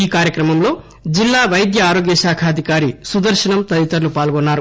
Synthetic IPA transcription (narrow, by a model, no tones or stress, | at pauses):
iːkaːɾjɐkɾɐmɐmlo̞ː | d͡ʒilːaːʋɐjd̪jɐaːɾo̞ːɡjɐʃaːkʰaːd̪ʱikaːɾisud̪ɐɾʃɐnɐmt̪ɐd̪it̪ɐɾlupaːlɡɔnːaːɾu